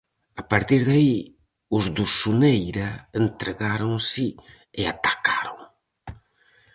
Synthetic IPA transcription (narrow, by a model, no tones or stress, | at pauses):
apaɾt̪iɾðai | ʊzðusunejɾɐent̪ɾeɣaɾõŋsɪ | ɪa̰t̪ḁkaɾoŋ